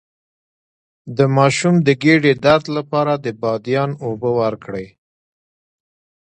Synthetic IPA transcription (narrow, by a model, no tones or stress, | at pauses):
d̪əmɑʃumd̪əɡeɖed̪aɾd̪lapɑɾad̪əbɑd̪jɑnobəwaɾkɽəj